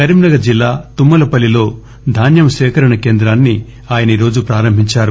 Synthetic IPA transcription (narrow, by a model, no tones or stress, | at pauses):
ɐɾimnɐɡɐd͡ʒilːaːt̪umːɐlɐpɐlilo̞ː | d̪ʱaːnjɐmɐʃɛːkɐɾɐɳɐke̞ːnd̪ɾaːnːi | aːjɐniɾo̞ːd͡ʒupɾaːɾɐmbʱiɲt͡ʃaːɾu